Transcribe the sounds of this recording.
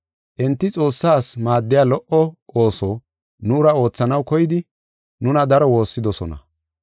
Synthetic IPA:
ʔɛnt̪ːɪt͡sʼo̞ːsːaːsmaːd̪ːɪjaːlɔʔɔo̞ːsoː | nʊːɾɐo̞ːt͡sːɐnɐwkɔjɪd̪ɪ | nʊnɐd̪ɐɾɔwo̞ːsːɪd̪ɔsɔ̰nɐ̰

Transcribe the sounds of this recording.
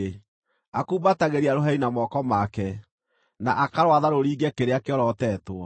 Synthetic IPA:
akuːbataɣeɾiaɾoɦɛinamɔkɔmakɛ | naʔakaɾwaðaɾoɾiːɡɛkeɾeakeɔɾɔːtɛːtwɔ

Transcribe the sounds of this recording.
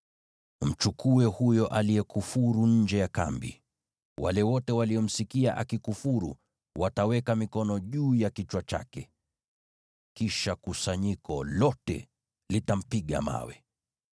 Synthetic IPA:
m̩t͡ʃukʰuɛhujɔʔalijɛkufuɾuɲ̩d͡ʒɛjaka̰mbḭ | wʔa̰lɛwɔtɛwaliɔm̩sikiaʔakikufuɾu | watawɛkamikɔnɔʄuːjakit͡ʃwat͡ʃa̰kɛ | kiʃakusaɲikɔlɔtɛ̰ | litam̩piɠa̰ma̰wɛ̰

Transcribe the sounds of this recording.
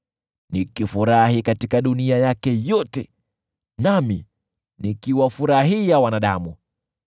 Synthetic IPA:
nikifuɾahikatikaɗuniajakɛjɔtɛ | nami | nikiwafuɾaɦijawanaɗamu

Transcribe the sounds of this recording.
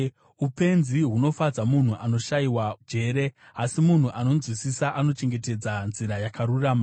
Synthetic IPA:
upe̞nziɦuno̞fad͡zamun̤uʔano̞ʃaiwad͡ʒe̞ɾe̞ | asimun̤uʔano̞zwisisaʔano̞t͡ʃe̞ŋɡe̞te̞d͡zanziɾajakaɾuraːma

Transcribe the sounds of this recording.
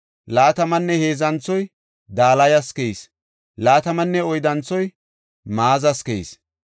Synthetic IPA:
laːt̪ɐmɐnːɛhe̞ːzɐnt͡sːɔj | d̪aːlɐjɐskeis | laːt̪ɐmɐnːɛɔjd̪ɐnt͡sɔj | maːzɐskejs

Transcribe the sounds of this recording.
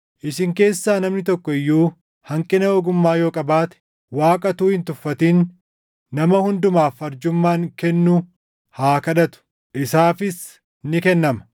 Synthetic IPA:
ʔɪsɪŋke̞ːsːaːnɐmnɪt̪ɔkːɔɪjːuː | hɐŋkʼɪnɐɔɡʊmːaːjo̞ːkʼɐbaːt̪ɛ̥ | waːkʼɐt̪uːhɪnt̪ʊfːɐt̪iːnː | ɐmɐhʊnd̪ʊmaːfɐɾd͡ʒʊmːaːŋkɛnːu | haːkɐᶑɐt̪ʊ̥ | ʔɪsaːfɪs | nɪkɛnːɐmɐ̥

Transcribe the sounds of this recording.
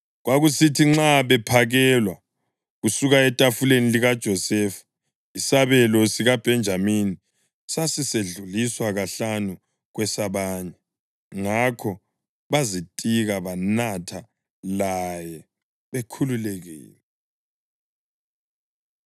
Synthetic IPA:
ɣwaɣusitʰiŋ͡ǁaβɛpʰaɣɛlwa | ɣusuɣaɛtʼafuleniliɣad̥ʒ̥ʱɔsɛfḁ | isaβɛlɔsiɣab̥ʱɛnd͡ʒʱamini | sasiseɮuliswaɣaɬanu | ɣwɛsaβaːɲɛ | ŋakʰɔ | βazitʼiɣaβanatʰa | lajɛ | βekʰululɛɣḭːlɛ

